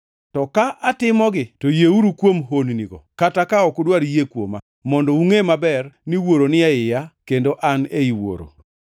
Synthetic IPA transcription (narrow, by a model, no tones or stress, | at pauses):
tɔkaʔatɪmɔɡɪtojeuɾukwomɦonniɡɔ̰katakaɔkodwaɾjekwo̰ma | mɔndɔuŋemabɛrniwoɾonɪaɪjakendoʔaneiwo̰ɾo̰